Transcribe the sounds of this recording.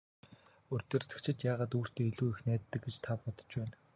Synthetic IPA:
ɵrʲt̪ĕr̥t̪ɘ̆kt͡ɕʰɪ̆t̪jaːʁaːt̪uːr̥t̪eːiɮuːixnæːt̪ːə̆kɡet͡ɕt̪ʰapɔt̪ɞ̥̆t͡ɕpæːn

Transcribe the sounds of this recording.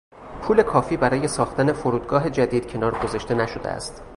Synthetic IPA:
pʰuːle̞kʰɒːfiːbæɾɒːje̞sɒːxt̪æne̞foɾuːd̪ɡɒːɦe̞d͡ʒæd̪iːd̪̥cʰe̞nɒːɾɡozɒʃt̪e̞næʃo̞d̪ḛæ̰st̪

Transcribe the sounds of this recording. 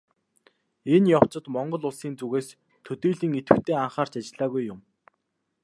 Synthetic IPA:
enjɔw̥t͡ɕɪ̆t̪mɔɴɢɞ̆ɮʊɮsiːnt͡suɣeːs | t̪ʰːɵt̪iːɮiːŋit̪ɘ̆kt̪ʰeːaɴχaːr̥t͡ɕat͡ɕɪ̆ɮaːɣujːʊm

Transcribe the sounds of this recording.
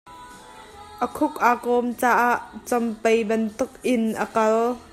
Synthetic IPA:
ʔəkʰʊk̚ʔaːkɔːmt͡saːʔaːʔt͡sɔmpejbɐnt̪ʊk̚ʔɪnʔəkɐl

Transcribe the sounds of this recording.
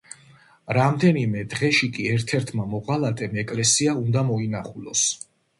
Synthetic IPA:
ɾamd̪ɛnimɛd̪ʁɛʃikʼiɛɾt̪ʰɛɾt̪ʰmamɔʁalˠat̪ʼɛmɛkʼlɛsiaund̪amɔinaχulˠɔs

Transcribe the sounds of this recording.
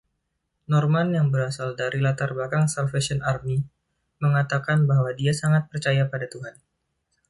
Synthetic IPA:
nɔrmanjaŋbəɾasaldaɾilat̪arbakaŋsalfesɔnarmi | məŋat̪akanbaɦwadiasaŋat̪̚pərt͡ʃajapadat̪uɦan

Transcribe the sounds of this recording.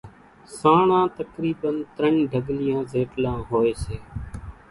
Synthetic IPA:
sãːɳãːt̪əkɾiːbənt̪ɾəɳĩːɖʱəɡlɪjãːzeːʈlãːɦoːeːseː

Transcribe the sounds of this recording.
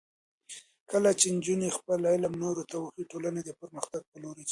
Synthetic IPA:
kəlat͡ʃend͡ʒunexpəlalamnoɾot̪awəxiʈolaned̪əpəɾməxt̪aɡ̚pəloɾe

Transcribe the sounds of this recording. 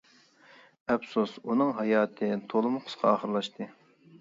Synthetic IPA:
ɛpsosunɨŋɦɑjɑːt̪ʰɨt̪ʰolˠɨmʊqʰʊ̥sqʰɑɑːχəɾlˠɑʃt̪ɨ

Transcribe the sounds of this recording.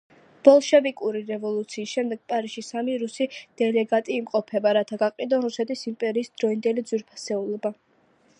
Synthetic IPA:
b̥ɔlˠʃɛvikʼuɾiɾɛvɔlˠut̪sʰiːsʃɛmd̪ɛɡ̥̚pʼaɾisʃisamiɾusid̪̥ɛlɛɡat̪ʼiːmqʼɔpʰɛbaɾat̪ʰaɡaqʼid̪ɔɾusɛt̪ʰisimpʼɛɾiːsd̪̥ɾɔind̪ɛlid̪zwiɾpʰḁsɛulˠɔba

